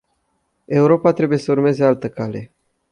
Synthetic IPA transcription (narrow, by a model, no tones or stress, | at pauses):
e̞uɾo̞pat̪ɾe̞buje̞səurme̞ze̞alt̪əkale̞